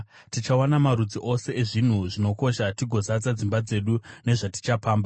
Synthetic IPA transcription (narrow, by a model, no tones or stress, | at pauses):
tit͡ʃawanamaɾud͡ziʔo̞se̞eʐin̤uʐino̞ko̞ʃatiɡʱo̞zad͡zad͡zimbad͡ze̞ɗune̞ʐati̥t͡ʃapaːmba